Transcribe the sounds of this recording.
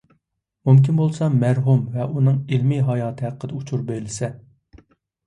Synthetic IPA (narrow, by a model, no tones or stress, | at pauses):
mumkʲinbolˠsɑmæɾɦumvɛʔunɨŋelmiɦɑjɑːt̪ʰɨɦæqːəd̪ɛut͡ʃʰuɾbøjlɪsɛ